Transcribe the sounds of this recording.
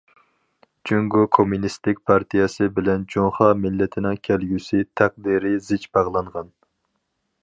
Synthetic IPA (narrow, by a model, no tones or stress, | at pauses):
d͡ʒyŋɡokʰomunist̪ɪk̚ʲpʰɑɾt̪ʰijɛsɨbɪlɛnd͡ʒoŋχɑmɪlːɛt̪ʰɪnɪŋkʲʰɛlɡʲysɪt̪ʰæq̚d̪iɾɪzɪt͡ʃbɑʁlˠɑɴʁɑn